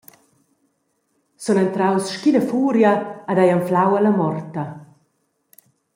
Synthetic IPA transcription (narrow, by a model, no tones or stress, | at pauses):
sɔnɛnt̪ɾawsʃkid̪əfuːɾjaːd̪ajaɱflawalamɔrt̪ɐ